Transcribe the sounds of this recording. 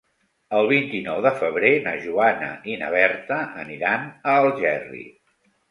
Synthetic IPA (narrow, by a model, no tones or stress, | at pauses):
əlˠβ̞int̪inɔwðəfəβ̞ɾenaʒuanə̰inə̰β̞ɛɾt̪əʔə̰niɾanəlˠʒɛrḭ